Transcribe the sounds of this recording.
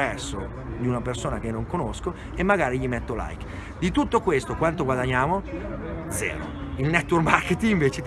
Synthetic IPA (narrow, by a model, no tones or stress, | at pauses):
ɛrso | d̪iunapersoːnak̟enːoŋkonosko | emːaɡaːɾiʎimɛt̪ːola̰jk | d̪it̪ut̪ːokwest̪okwant̪oɡwad̪aɲːaːmod̪zɛ̰ːɾo̰ilnɛt̪ːwormarket̪iŋiɱveːt͡ʃe